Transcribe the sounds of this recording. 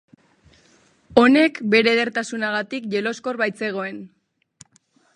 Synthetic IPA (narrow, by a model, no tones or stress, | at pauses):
o̞ne̞kbe̞ɾe̞ð̞e̞ɾt̪asunaɣat̪ikʝe̞lo̞sko̞ɾβajt͡se̞ɣ̞o̞e̞n